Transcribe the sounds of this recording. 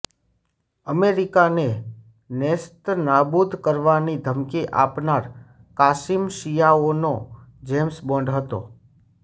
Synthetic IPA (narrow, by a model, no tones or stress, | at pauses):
əmeɾikane | nest̪nabud̪ʱkəɾʋanid̪ʱəmkiʔapnaɾ | kasimʃijaonod͡ʒemsbɔ̃ɳɖɦət̪o̰